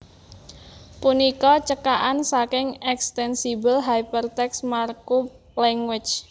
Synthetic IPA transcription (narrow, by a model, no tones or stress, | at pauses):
punikɔt͡ʃəkaʔansakɪŋɛkst̪ɛnsibəlɦajpərt̪ɛksmarku | lɛŋwɪt͡ʃ